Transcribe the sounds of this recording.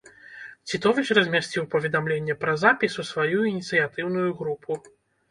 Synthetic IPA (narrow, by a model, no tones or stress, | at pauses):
t͡sʲit̪ɔvʲit͡ʂrɐzʲmʲasʲt͡sʲiwpɐvʲɛd̪amlʲenʲːɛpɾɐzapʲisusvajujinʲit̪sɨjat̪ɨwnujuɣɾupʰu